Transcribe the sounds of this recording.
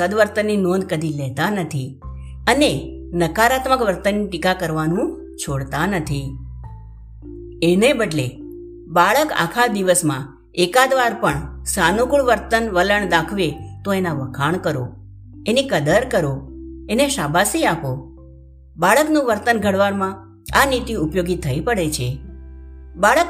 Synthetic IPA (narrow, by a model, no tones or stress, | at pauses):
səd̪ʋəɾt̪ənːinõnd̪̚kəd̪ʱilɛɦt̪anət̪ʰi | ənenəkaɾat̪məkʋəɾt̪ənːiʈikakəɾʋanũ | t͡ʃʰoɽt̪anət̪ʰi | enebəʈle | baɭəka̰kʰad̪iʋəsmã | ekad̪ʋaɾpəɳsanukuɭʋəɾt̪ənʋələɳd̪akʰʋet̪oenaʋəkʰaɳkəɾo̰ | enikəd̪əɾkəɾoeneʃabʱasiako | baɭəknũʋəɾt̪ənɡʱəɽʋaɾmã | anit̪iupjoɡit̪ʰːəipəɽet͡ʃʰe | baɭək